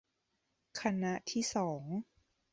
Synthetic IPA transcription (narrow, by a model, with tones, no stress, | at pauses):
kʰa˧na˧˥ʔt̪ʰiː˥˩sɔː˩˦ŋ